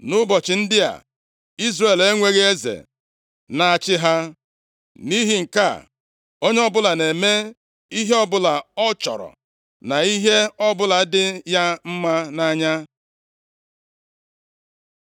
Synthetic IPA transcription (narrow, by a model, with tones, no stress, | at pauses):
nʊ˦bɔ˨t͡ʃɪ˨n̩˦dɪ˦a̰˨ | i˦zre˨le˦ŋʷe˦ɣe˦e˦zḛ˨ | na˨a˨t͡ʃɪ˦ɦa˦ | ni˦ɦi˨ŋ̩˨ka̰˦˨ | o˦ɲe˦ɔ˦bʊ˦la˨ne˨me˦ | i˦ɦe˦ɔ˦bʊ˦la˨ɔ˦t͡ʃɔ̰˨ɾɔ̰˨ | na˨i˦ɦe˦ɔ˦bʊ˦la˨˦dɪ˦ja˦m̩˦ma˦na˦ɲa˦